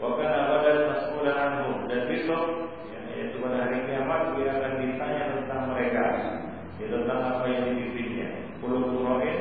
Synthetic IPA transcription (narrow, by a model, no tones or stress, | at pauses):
bakanabadamasəkulanaŋdudanpisɔt̪̚ | ja | ḭt̪upadaɦaɾikiamat̪̚kəbinaŋkandit̪aɲat̪ənt̪aŋməɾeka | jat̪ənt̪aŋapajaŋdibisinɲa̰ | pulʊkuɾoʔɪ